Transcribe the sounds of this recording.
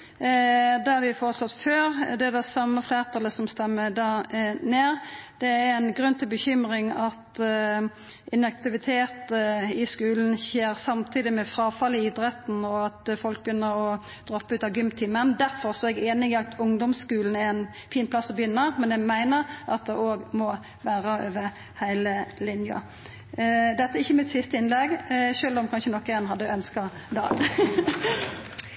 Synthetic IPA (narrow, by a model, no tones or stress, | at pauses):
d̪æʋɪfoːɾəsɔt̪ːføːɾd̪ɛæd̪ɛsɑmːəfleːʁt̪ʰɑləsɔmst̪ɛmːəd̪ɑːneːɾd̪̥ɛæænɡɾʉnːt̪ʰɪlbəçʏmɾɪŋɑt̪ | ɪnɛk̚t̪ɪʋɪt̪ʰeːt̪ɪskʉːln̩çeːɾsɑmt̪ʰiːd̪ɪmɛfɾɑːfɑlɪɪd̪ɾɛt̪n̩ɔɑt̪fɔlk̚bəjʏnːəɾɔ | d̪̥ɾɔpːʉːt̪ɑʋɡʏmt̪ʰiːmənd̪æɾfɔʁsɔɛɡeːnɪɡɪɑt̪ʊŋd̪ɔmskʉːln̩ɛɛn | fiːnpʰlɑsːɔbjʏnːəmɛnjɛɡmæɪnəɾʔɑt̪̚d̪ɛʔoːɡmɔ | ʋæːʁəøːʋəɾ | hæɪləlɪnjɑ̰ | d̪ɛt̪ːæɛɪçːəmɪt̪sɪst̪əɪnlɛɡʃøːlɔmkʰɑnʃənɔkːəɛnɦɑd̪ːœnskɑ | d̪ɑ̰ː